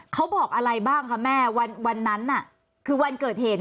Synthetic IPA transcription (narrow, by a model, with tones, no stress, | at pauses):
kʰa˦˥wbɔː˨˩k̚ʔa˧ɾa˧jbaː˥˩ŋkʰa˦˥mɛː˥˩wa˧nwa˧nːa˦˥nːa˨˩ | kʰɯː˧wa˧nkɤː˨˩t̪̚heː˨˩t̪̚